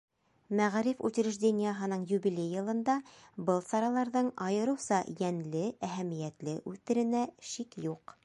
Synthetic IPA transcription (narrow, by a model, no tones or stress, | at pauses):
mæʁɾifʉt̪̆ʲɾɘ̆ʒd̪ʲenʲijəɦɤ̆nɤɴjubilʲejːɤ̆lˠɤ̆nd̪ɑbɤlˠsɑɾɑlˠɑɾðɤɴɑjɤ̆ɾɤ̆wsɑjænlɘæɦæmijæt̪lɘʔʉt̪ɘ̆ɾɘ̆næʃikjuq